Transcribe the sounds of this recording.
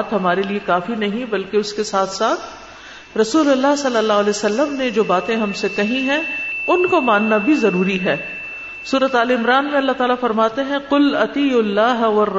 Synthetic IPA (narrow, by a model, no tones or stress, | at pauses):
t̪ɦɐmaːɾeliekaːfinɐɦĩbɐlkeʊskesaːt̪ʰsaːt̪ʰ | ɾɐsuːlɐlːaɦsɐlːəlːaːɦɐlɛːsɐlːəmned͡ʒoːbaːt̪ẽɦɐmsekɐɦĩɦɛ̃ʊnkomaːnːabʱizɐɾuːɾiɦɛː | suːɾət̪aːleɪmɾaːnmẽɐlːaɦt̪aːlafɐɾmaːt̪eɦɛ̃qʊlɐt̪iʊlːaːɦʋɐrː